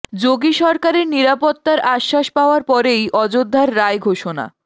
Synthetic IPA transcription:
d͡ʑoɡiʃɔɾkaɾeɾniɾapot̪ːaɾaʃːaʃpaoaɾpɔɾejʔɔd͡ʑod̪ʱːaɾːaeɡʱoʃona̰

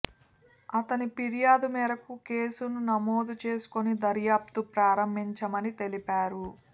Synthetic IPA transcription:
ɐt̪ɐnipiɾijaːd̪umɛːɾɐkukeːsununɐmo̞ːd̪ut͡ʃe̞ːsu̥konid̪ɐɾjaːp̚t̪upɾaːɾɐmbʱiɲt͡ʃɐmɐnit̪e̞lipaːɾu

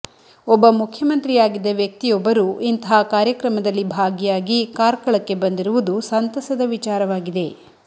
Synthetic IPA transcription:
ɔbːɐmukʰjɐmɐnt̪ɾijaːɡid̪ːɐʋjɐk̚t̪ijɔbːɐɾuːʔint̪ɐɦaːkaːɾjɐkɾɐmɐd̪ɐlːibʱaːɡjaːɡikaːɾkɐɭɐkːe̞bɐnd̪iɾuʋud̪usɐnt̪ɐsɐd̪ɐʋit͡ʃaːɾɐʋaːɡid̪e̞

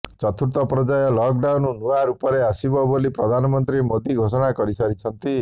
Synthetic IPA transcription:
t͡ʃɔt̪ʰuɾt̪ɔpɾɔd͡ʒajɔlɔk̚ɖawnnuaɾupɔɾeasibɔbolipɾɔd̪ʱanɔmɔnt̪ɾimod̪iɡʱos̬ɔɽ̃akɔɾisaɾit͡ʃʰɔnt̪i

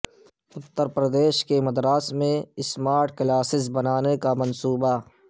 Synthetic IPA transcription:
ʊt̪ːəɾpɾəd̪eːʃkemɐd̪ɾaːsmẽɪsmaːɾʈ̚klaːsɪs̬bɐnaːnekamɐnsuːba

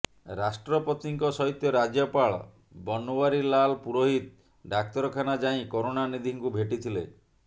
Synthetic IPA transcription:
ɾasʈɾɔpɔt̪iŋkɔsɔɦit̪jɔɾad͡ʒjɔpaɭɔ̰ | bɔnowaɾilalpuɾoɦit̪̚ | ɖak̚t̪ɔɾɔkʰanad͡ʒaĩkɔɾonanid̪ʱiŋkubʱeʈit̪ʰilḛ

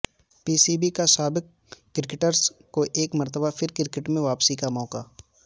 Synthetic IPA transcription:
piːsibikasaːbɪk̚ː | ɪɾɪkɪʈəɾzkoʔeːkmɐɾt̪əbafʰɪɾkɪɾɪkɪʈmẽʋaːpsikamɔːkaː

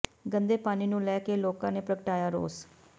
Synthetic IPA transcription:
ɡənd̪eːpaːniːnũːlɛːkeːloːkãːneːpɾəkəʈaːjaːɾo̰ːs

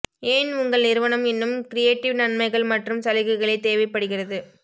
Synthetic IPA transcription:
eːnʊŋɡɐɭnɪɾɯʋɐnɐmɛnːɯmkɪɾɪjeːʈːɪʋnɐɳmɐɪɣɐɭmɐʈrɯmsɐlɪɣɯɣɐɭɐɪt̪eːʋɐɪpːɐɽɯɣɪrɐðɯ

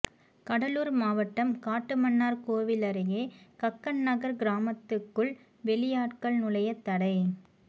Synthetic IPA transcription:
kɐɽɐluːɾmaːʋɐʈːɐmkaːʈːɯmɐɳːaːɾkoːʋɪlɐɾɐjeːkɐkːɐɳnɐɣɐɾɡɪɾaːmɐt̪ːɯkːɯɭ | ʋɛɭɪjaːʈkɐɭnʊlɐjɐt̪ːɐɽɐɪ

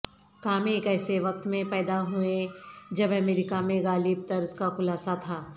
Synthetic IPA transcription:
kaːmẽkɛːseʋɐk̚t̪mẽpɛːd̪aɦuẽd͡ʒɐbɐmɛːɾɪkamẽɡaːlib̚t̪ɐɾzkaxʊlaːsat̪ʰaː

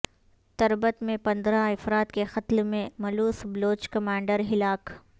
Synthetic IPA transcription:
t̪ɐɾbət̪mẽpɐ̃nd̪ɾaɐfɾaːt̪kexɐt̪lmẽmɐluːsbloːt͡ʃkɐmãːɳɖəɾɦɪlaːk

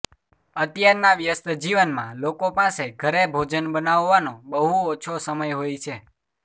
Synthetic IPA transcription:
ət̪jəɾnaʋjəst̪əd͡ʒiʋənmã̰lokopaseɡʱəɾebʱod͡ʒənbənaʋːanobəɦuɔt͡ʃʰosəməjɦojt͡ʃʰe

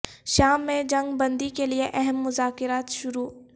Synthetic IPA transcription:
ʃaːmːẽd͡ʒɐ̃ŋɡbɐ̃nd̪ikelieʔɛɦɛmːʊzaːkɪɾaːt̪ʃʊɾuː

